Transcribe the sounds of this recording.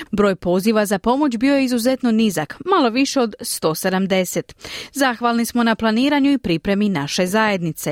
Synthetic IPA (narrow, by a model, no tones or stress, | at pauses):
bɾo̞ːjpo̞ziʋazapo̞mo̞t͡ɕbio̞jeizuze̞t̪no̞nizakmalo̞ʋiʃe̞o̞d̪st̪o̞ːsed̪amd̪e̞se̞t̪zaxʋalˠnismo̞naplˠaniːɾaɲuipɾipɾe̞minaʃe̞zaje̞d̪nit̪se̞